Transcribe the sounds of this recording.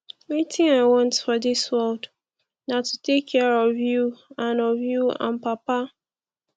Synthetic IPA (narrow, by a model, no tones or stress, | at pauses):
wetɪ̃ŋaɪwɔ̃ntfɔdɪswɛld | natutekʰːɛɹɔvjuãnɔvjuã̰npapa